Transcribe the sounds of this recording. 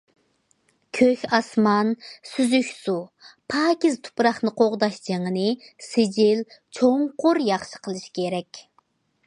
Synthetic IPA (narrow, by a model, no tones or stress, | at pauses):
kʲʰøçʲɑsmɑnsyzykʲsupʰɑːkʲizt̪ʰu̥pɾɑχnɨqʰoʁd̪ɑʃd͡ʒeŋənɨsɪd͡ʒilt͡ʃʰoŋqʊɾjɑχʃə̥qʰəlˠɨʃkʲʰeɾɛkʲ